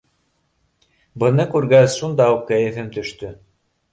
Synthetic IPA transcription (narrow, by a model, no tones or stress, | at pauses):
bɤ̆nɤkʉɾɡæsʃund̪ɑuqkæjɘ̆fɘmt̪ɵ̆ʃt̪ɵ